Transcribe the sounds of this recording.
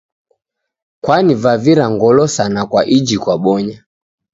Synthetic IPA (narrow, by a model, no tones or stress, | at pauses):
kwanivaviɾaŋɡɔlɔsanakwaʔid͡ʒikwaɓɔɲa